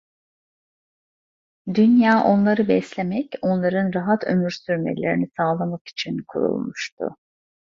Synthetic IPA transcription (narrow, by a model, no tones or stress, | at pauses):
d̪ynjaːʔo̞nlˠaɾɯbɛslʲe̞mɛco̞nlˠaɾɯnɾaɦat̪ʰø̞myɾsyɾmḛlʲeɾinisaːlˠamaki̥t͡ʃʰinkʰṵɾṵlˠmuʃt̪ʰʊ̰